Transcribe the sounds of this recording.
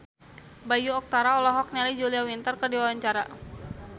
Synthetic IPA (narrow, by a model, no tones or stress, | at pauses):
bajuɔk̚t̪aɾaɔlɔɦɔk̚nɛlid͡ʒuliawint̪ərkərdiwawaɲt͡ʃaɾa